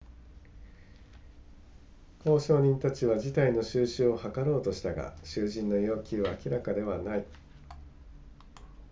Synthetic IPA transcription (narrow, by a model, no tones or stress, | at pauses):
ko̞ːɕo̞ːɲ̟ĩnt̪at͡ɕiβad͡ʑit̪aino̞ɕɨːɕɨːo̞hakaɾo̞ːt̪o̞ɕi̥t̪aɡa̰ɕɨːʑĩnːo̞jo̞ːkʲiβaːkʲiɾakad̪e̞βanai